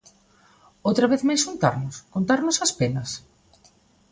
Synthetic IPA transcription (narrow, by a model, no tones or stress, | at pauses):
owt̪ɾɐβeθmajsʃunt̪a̰ɾnʊskont̪aɾnʊsɐspenɐs